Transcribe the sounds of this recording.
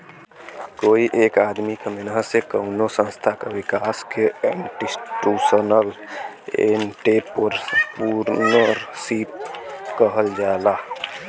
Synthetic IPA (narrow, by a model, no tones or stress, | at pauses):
koiʔekad̪mikemenɦəsekəʊnosə̃nst̪ʰakeʋikaskeɳʈisʈusənəl | ḛnʈepoɾpuɾnəɾsip̚kəɦəld͡ʒala